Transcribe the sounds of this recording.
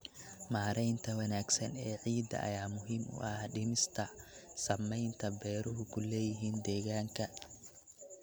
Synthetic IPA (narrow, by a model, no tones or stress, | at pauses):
maːɾɛjnt̪ʰɐwɐnaːɡsɐnɛːʕiːd̪ɐ̰ʔɐ̰jaːmʊɦiːmʊ̰ʔɐhɖɪmɪst̪ʰɐsɐmɛjnt̪ʰɐbɛːɾʊɦʊkʰʊlɛːjɪɦiːnd̪ɛːɣaːŋkʰɐ